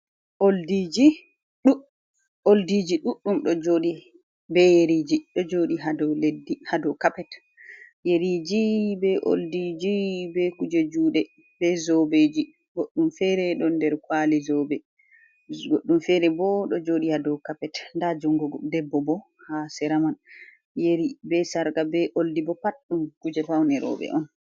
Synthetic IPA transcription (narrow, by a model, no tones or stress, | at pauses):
ʔoldid͡ʒi | ɗu | oldid͡ʒiɗuɗːumɗɔd͡ʒoɗi | bɛjeɾiːd͡ʒiɗɔd͡ʒoɗiɦadɔledːihadɔkapɛt | jeɾid͡ʒibɛʔo̰ldid͡ʒibɛkud͡ʒed͡ʒuːɗɛ | b̥ɛzɔbed͡ʒi | ɡoɗːumfɛɾɛɗɔndɛɾkwalɛzɔbɛ | ɡoɗːumfɛɾɛbɔɗɔd͡ʒoːɗihadɔkapɛtndad͡ʒuŋɡɔɡdɛbːɔbɔ | hasɛɾaman | jeɾibɛsaɾɡabɛʔoldibɔpatːumkud͡ʒɛfawnɛɾɔ̰bɛ̰ʔɔn